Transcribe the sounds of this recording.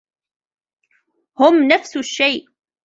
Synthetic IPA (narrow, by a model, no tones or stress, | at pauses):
hʊmnafsʊʃːajʔ